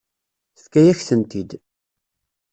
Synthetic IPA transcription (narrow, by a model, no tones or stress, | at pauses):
θθkːæjæçθənt̪id̪